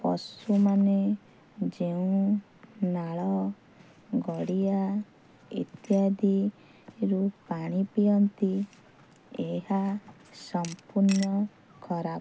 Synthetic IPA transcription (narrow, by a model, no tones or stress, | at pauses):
pɔ̰sumane | d͡ʒeũ | naɭɔ | ɡɔɽia | ḭt̪jad̪i | ɾupaɽ̃ipijɔnt̪i | eɦa | sɔmpuɾnɔ | kʰɔɾap